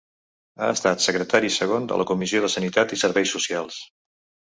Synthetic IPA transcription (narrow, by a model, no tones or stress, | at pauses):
aəst̪at̪səkɾət̪aɾisəɣ̞ond̪ə̰lʔəkumizioð̞əsənit̪at̪isəɾβɛjsusialˠs